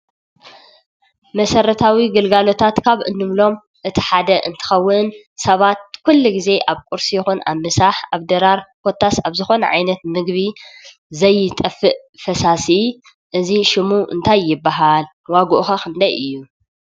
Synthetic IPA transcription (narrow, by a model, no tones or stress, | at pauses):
mɐsɐɾɐt̪ʰawiɡɨlɡalo̞t̪ʰat̪kʰaβʔɨ̰nːɨmlo̞m | ʔɨt̪ʰi̥ħad̪ɐʔɨ̰nt̪ʰɨ̥xɐwːʊn | sɐβat̪̚kʰulːuɡize̞ʔaβkʷʼuɾsijɪxuna̰βmɨsaħaβd̪ɐɾaɾkʰo̞t̪ʰːasaβzɨxo̞nɐ̰ʕa̰jnɐt̪mɨɡβi | zɐjːɪt̪ʼɐfːɨʔ | fɐsasi | ʔɨziʃɪmuʔɨ̰nt̪ʰajːɪbːaɦal | waɡuʔxɐxɨnd̪ajʔɨjːu